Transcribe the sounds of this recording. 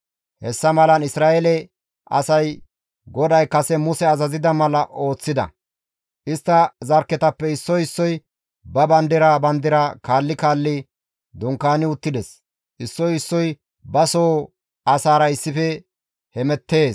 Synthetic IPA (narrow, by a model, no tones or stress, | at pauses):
hɛsːɐmɐlɐnɪsɾaːjɛlɛ | ɐ̰sɐj | ɡɔd̪ɐjkɐsɛmʊsɛɐzɐzɪd̪ɐmɐlɐʔo̞ːt͡sːɪd̪ɐ̰ | ʔɪst̪ːɐzɐɾkːɛt̪ɐpːɛɪsːɔjɪsːɔj | bɐbɐnd̪ɪɾabɐnd̪ɪɾakaːlːɪkaːlːɪ | d̪ɔŋkːaːnɪʊt̪ːɪd̪ɛs | ʔɪsːɔjɪsːɔj | bɐsoː | ɐsaːɾɐɪsːɪfɛ | hɛmɛt̪ːe̞ːs